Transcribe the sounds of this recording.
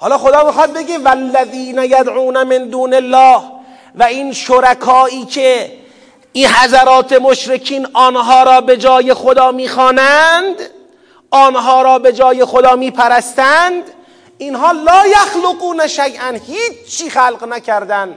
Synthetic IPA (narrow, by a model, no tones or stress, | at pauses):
hɒːlɒːxod̪ɒːmixɒːd̪̚beɡevælːæðiːnæjæd̪ʕuːnæmend̪uːnelːɒːh | væiːnʃoɾækʰɒːiːkʰe | iɦæzæɾɒːt̪ʰe̞moʃɾekʰiːnʔɒːnɦɒːɾɒːbe̞d͡ʒɒːje̞xod̪ɒːmiːxɒːnænd̪ | ʔɒːnɦɒːɾɒːbe̞d͡ʒɒːjexod̪ɒːmiːpʰæɾæst̪ænd̪ | ʔinɦɒːlɒːjæxloɡuːnæʃæjʔænhiːiːxæːlqnækʰæɾd̪æn